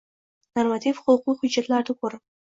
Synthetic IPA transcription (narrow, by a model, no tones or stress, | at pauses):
normat̪ʰifχʊlˠqujχʊd͡ʒat̪lard̪ɨkʷʊr